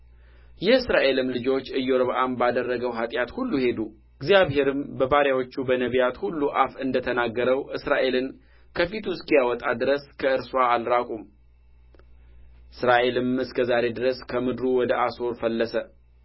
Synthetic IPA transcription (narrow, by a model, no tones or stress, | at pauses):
jɛɨsɾaʔe̞lɨmlɨd͡ʒo̞t͡ʃːɨjːoɾβʔambad̪ərːəɡəwɦat̪ʼjat̪hulːuhe̞d̪u | ɨɡzijaβhe̞ɾɨmbəbaɾjawo̞t͡ʃːubənəβjat̪hulːuʔafɨnd̪ət̪ʰənaɡːəɾəwʔɨsɾaʔe̞lɨn | kʰəfit̪ʰuskijawɔt̪ʼad̪ɨɾəskʰəɨɾswaːlɾakʼum | ʔɨsɾaʔe̞lɨmɨskʰəzaɾe̞d̪ɨɾəskʰəmɨd̪ɾuwɔd̪əʔaso̞ɾfəlːəsə